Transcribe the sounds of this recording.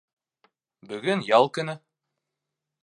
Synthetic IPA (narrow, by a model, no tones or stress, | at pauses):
bɵ̆ɡɵnjɑlˠkɵ̆nɘ